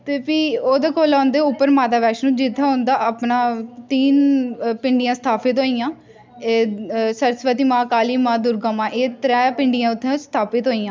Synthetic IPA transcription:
t̪eːpiːoːd̪eːkoːlãːnd̪eːʊpːəɾmaːt̪aːʋɛːʃnũːd͡ʒɪt̪ʰːãːɦõːnd̪aːʔəpnãːt̪iːnpɪɳɖɪjãːsə̥t̪ʰaːpɪt̪ɦoːijãː | esəɾsʋət̪iːmãːkaːliːmãːd̪ʊɾɡaːmãːʔeːt̪ɾɛːpɪɳɖɪjãːʊt̪ʰːẽst̪ʰaːpɪt̪ɦoːijãː

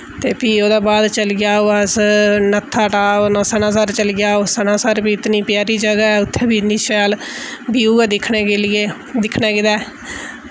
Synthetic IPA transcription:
t̪eːpiːoːd̪aːbaːd̪t͡ʃəlɡɪjaːoːəsnət̪ʰːaːʈaːonəːsənaːsaːɾt͡ʃəlɡjaːoːsənãːsaːɾbiːɪt̪niːpɪjaːɾiːd͡ʒəɡaːɛːʊt̪ʰːeːbiːniːʃɛːl | biːuːaːd̪ɪkʰneːkelɪeː | d̪ɪkʰneːkɪd̪aː

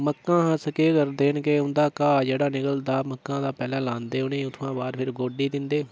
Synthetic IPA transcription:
məkːãːɦəsəkeːkəɾd̪eːɪnkeʊnd̪aːkaːd͡ʒeːɽaːnɪkəld̪aːməkːãːd̪aːpɛːlãːlãːnd̪eːʊnẽːʊt̪ʰʋãːbaːɾpʰɪɾɡoːɖiːd̪ɪnd̪eː

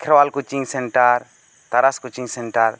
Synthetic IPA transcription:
kʰɪɾwalkut͡ʃiŋsɛɳʈaɾ | t̪ɐɾaskut͡ʃiŋsɛɳʈaɾ

